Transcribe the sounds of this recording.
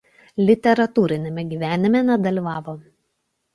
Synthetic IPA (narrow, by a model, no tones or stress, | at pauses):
lʲɪt̪ʲɛɾɐt̪uːɾʲɪnʲemʲɛɡʲiːʋʲæːnʲɪmʲɛnʲɛd̪ɐlʲiʋɑːʋoː